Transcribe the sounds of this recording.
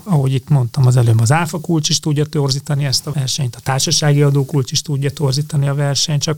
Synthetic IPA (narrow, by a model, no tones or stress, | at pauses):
ɒɦo̞ɟit̪mo̞nt̪ɒmɒzɛløːbɒzaːfɒkult͡ʃiʃt̪uɟːɒt̪orziːt̪ɒniɛst̪ɒɛrʃɛɲt̪ɒ̥t̪aːʃɒʃaːɡiɒd̪oːkult͡ʃiʃt̪uɟːɒt̪o̞rziːt̪ɒniɒvɛrʃɛɲt̪t͡ʃɒk